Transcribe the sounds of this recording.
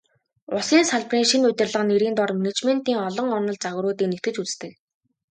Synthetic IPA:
ʊsiːnsaɮpriːŋʃinʊt̪ʲɪ̆rɮə̆χ̆neɾiːnt̪ɔrmenet͡ɕmen̥t̪iːŋɔɮɞ̆ŋɔnɞ̆ɮt͡saɣɾʊːt̪iːknet̪ɡɘ̆t͡ɕut͡sst̪ʰɘ̆ːk

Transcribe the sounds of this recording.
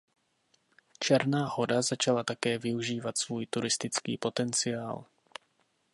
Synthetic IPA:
t͡ʃɛɾnaːho̞dazat͡ʃalat̪akɛːvɪuʒiːvat̪svuːjt̪uɾɪst̪ɪt͡skḭːpo̞t̪ɛnt͡sɪjaːl

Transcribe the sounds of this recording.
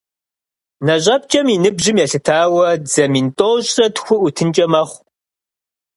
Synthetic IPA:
nɐɕʼɐp̚t͡ʃʼɐminɨbʑɪmjɛɬɨtʰaːwɐd͡zɐmintʼoːɕʼsɐtxʷʊʔutʰɨnt͡ʃʼɐmɐχʷ

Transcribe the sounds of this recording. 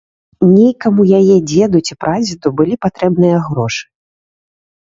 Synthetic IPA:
nʲejkɐmujajɛd͡zʲɛd̪ut͡sʲipɾʔad͡zʲit̪ubɨlʲipat̪ɾɛbnɨjɐɣɾɔʂɨ̥

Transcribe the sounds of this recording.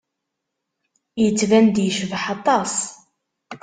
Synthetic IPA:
jət͡sːvænd̪jəʃvħɑt̪ˤɑs

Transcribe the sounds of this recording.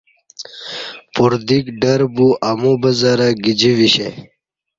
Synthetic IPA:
puɾd̪ikɖɐɾbuʔamubɐzɐɾɐɡid͡ʑiʋiɕḛ

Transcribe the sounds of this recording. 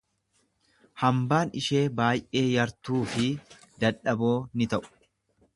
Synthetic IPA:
hɐmbaːnɪʃe̞ːbaːjʔe̞ːjɐɾt̪uːfɪ | d̪ɐᶑɐbo̞ːnɪt̪ɐʔʊ̥

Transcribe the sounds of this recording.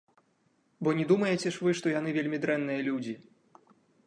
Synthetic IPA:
bɔnʲɛd̪umɐjɛt͡sʲɛʂvɨʂt̪ɔjan̪ɨvʲelʲmʲid̪ɾɛnːɨjɐlʲud͡zʲi

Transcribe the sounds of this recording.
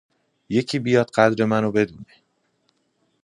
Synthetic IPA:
je̞cʰiːbijɒːd̪̥ɢæd̪ɾe̞mænobe̞d̪uːne

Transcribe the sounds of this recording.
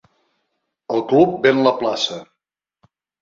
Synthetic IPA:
əlˠklup̚benləplasə

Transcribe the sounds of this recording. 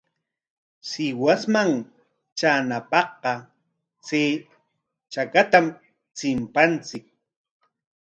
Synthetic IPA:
sɪwasmaŋ | t͡ʃanapɑχqɑ | t͡seː | t͡ʃakat̪am | t͡sɪmpant͡sɪk̚

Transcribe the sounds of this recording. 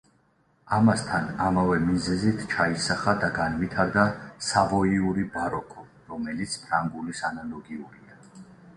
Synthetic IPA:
amast̪ʰanamavɛmizɛzit̪ʰt͡ʃʰaisaχad̪aɡanvit̪ʰaɾd̪asavɔiuɾibaɾɔkʰʼɔ | ɾɔmɛlit̪sʰpʰɾaŋɡulisanalɔɡiuɾia

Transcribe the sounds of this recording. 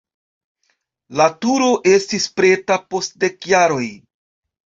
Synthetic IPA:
latuɾo̞ʔe̞stispɾe̞tapo̞st̚de̞kjaɾo̞j

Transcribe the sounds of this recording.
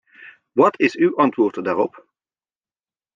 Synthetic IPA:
ʋɑtɪsywʔɑntʋʊːɹtədaːɹɔp

